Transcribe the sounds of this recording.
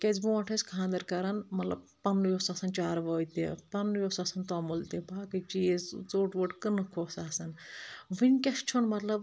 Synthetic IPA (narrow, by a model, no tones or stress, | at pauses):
kʲɐzbũɐʈʰɐsʲkʰãːnd̪ɐɾkɐɾɐnmɐt̪lɐ̰b̚ | pɐnːjosasɐnt͡ʃaːɾʋəːit̪ḛpɐnːjoːsasɐnt̪aːmult̪ebaːkɨt͡ʃizzoːʈʋəʈkɨnɨkʰoːsaːsɐnʋinkʲɐst͡ʃʰonmɐt̪lɐb